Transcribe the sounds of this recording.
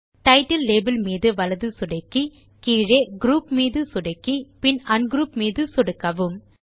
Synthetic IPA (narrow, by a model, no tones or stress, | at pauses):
ʈɐɪʈɐlːeːbɐlmiːðɯʋɐlɐðɯsʊɽɐɪkːi | kiːɻeːɡɾuːpmiːðɯsʊɽɐɪkːipɪnɐnɡɾuːpmiːðɯsɔɽɯkːɐʋɯm